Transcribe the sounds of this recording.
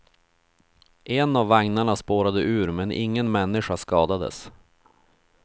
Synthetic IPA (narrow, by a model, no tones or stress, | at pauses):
ʔɛnavːaŋnaɳaspoːɾad̪əʔʉ̟ːɾmɛnʔɪ̰ŋːənmɛnːɪʂaskɑːd̪ad̪ə̰s